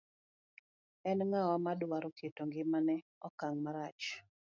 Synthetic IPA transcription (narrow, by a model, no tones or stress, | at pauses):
ɛnŋawamadwaɾoketoŋɡɪmanɛɔkaŋmaɾat͡ʃ